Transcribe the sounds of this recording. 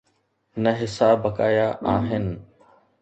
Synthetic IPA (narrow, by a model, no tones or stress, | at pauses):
nəɦɪsaːbəkaːjaːʔaːɦɪn